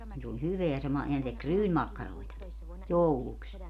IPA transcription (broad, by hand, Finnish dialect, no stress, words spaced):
ni s olʲ hyʋeæ se mɑ jɑ ne tek ryːnmɑkːɑroi̯tɑki jouluks